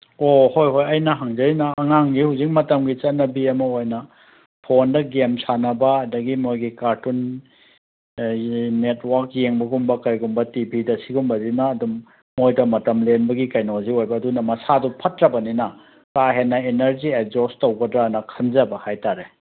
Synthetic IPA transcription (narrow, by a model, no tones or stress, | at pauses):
ohojɦojɐjnɐɦaŋzɐɾinɐːŋaŋɡihuzik̚mɐtɐmɡit͡ʃɐnɐbiɐmɐojnɐ | pʰondɐɡemsanɐbɐːdɐɡimojɡikaɾtun | etwaɾk̚jeŋbɐɡumbɐkɐjɡumbɐtibʱidɐsiɡumbɐzinɐːdumː | ojdɐmɐtɐmlenbɐɡikajnawziojbɐːdunɐmɐsadupʰɐtɾɐbɐninɐ | kaɦenːɐenɐɾziek̚zostowɡɐdɾanɐkʰɐnzɐbɐhajtaɾe